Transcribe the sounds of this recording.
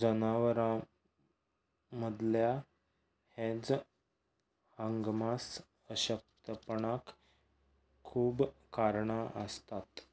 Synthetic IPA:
d͡zənaʋɾã | məd̪ʱlja | hed͡z | həŋɡmas | əɕək̚t̪əpɳak | uːbkaɾɳaʔəst̪at̪

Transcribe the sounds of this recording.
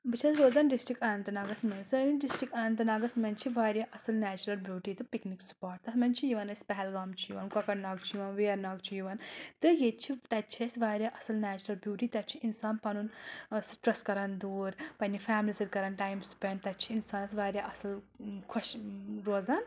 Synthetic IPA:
bɨt͡ʃʰɐsɾoːzɐnɖisʈɾikɐnɐnt̪ɨnɐɡɐsmɐnsɨniɖisʈɾikɐnɐnt̪̬ɨnɐɡɐsmɐnt͡ʃʰiʋaːɾjaʔɐsɨlnɛːt͡ʃɾɐlbjuːʈiːt̪ɨpikniksu̥paːɾʈ̚t̪ɐsmɐnʲt͡ʃʰijiʋɐnɐsʲpɛɦɛlɡaːmt͡ʃʰijiʋɐnkɐkɐʈnaɡt͡ʃʰijiʋɐnʋeːɾnaːɡt͡ʃʰijiʋɐnt̪ɨjet͡ʃʰit̪ɐt͡ʃʰɐsʲʋaːɾʲjaʔɐsɨlnæːt͡ʃuɾɐlbjuːʈiːt̪ɐt͡ʃʰiʔinsaːnpɐnunsɨʈɾɐskɐɾɐnd̪uːɾpɐnifaːmlʲisɨd̪kɐɾɐnʈaːjmspeɳɖt̪ɐt͡ʃʰiːnsaːnɐsʋaːɾjaʔɐsɐl | kʰuʃɾoːzaːn

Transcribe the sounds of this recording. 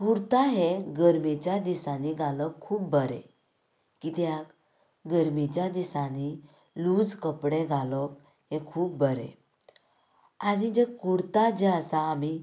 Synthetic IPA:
kuɽt̪aɦeɡəɾmit͡ɕjad̪isaniɡʱaləkʰːuːpbəɾḛ | kit̪jak | ɡəɾmit͡ɕjad̪isani | lud͡zkəpɽeɡʱalɔk | ɦekʰuːp̚bəɾḛ̃ | añid͡ʑekuɽt̪ad͡ʑeəsaːmi

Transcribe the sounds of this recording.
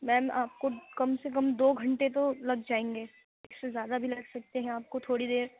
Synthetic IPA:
mɛ̃ːʔaːp̚kokɐmsek̬ɐ̃md̪oːɡʱɐ̃ɳʈet̪̬olɐɡd͡ʒaːẽːŋɡeː | ɪsːezjaːd̪abʱilɐɡsɐk̚t̪eɦɛ̃aːp̚kot̪ʰoːɽid̪eːɾ

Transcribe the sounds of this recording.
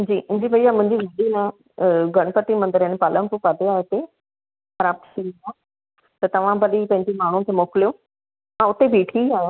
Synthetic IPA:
d͡ʑiːʔd͡ʑibʱɐiamʊ̃ɦɪ̃ɲd͡ʑiɡʱɐɗinã | ɡɐɽ̃pət̪imɐ̃nd̪əɾɦɛ̃npaːlə̃mpupaːd̪eaːet̪e | xɐɾaːb̚t̪ʰʃʰiã | t̪ɐt̪ɐʋ̤ãbɐɗipɐ̃ɦɪ̃ɲd͡ʑemaːɳ̤ũkʰeːmoːkɪlijoː | mãʊt̪ebʱiːʈʰiaːã

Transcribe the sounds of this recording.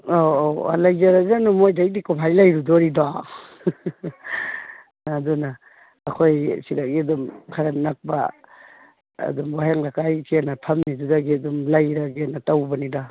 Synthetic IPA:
oa̰lajd͡ʒaɾazanumojdajdikupʰajlajɾudɔɾida | adunaː | kʰojsiɾaɡiɐdumkʰaɾannak̚ba̰ | dumwaɦeŋlakajkʰianapʰɐmnidudaɡiɐdumlajɾaɡianatawbɐnida

